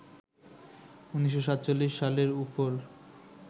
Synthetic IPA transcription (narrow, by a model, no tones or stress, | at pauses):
uniʃ̬ːoʃat̪ːt͡ɕolːiʃːaleɾufol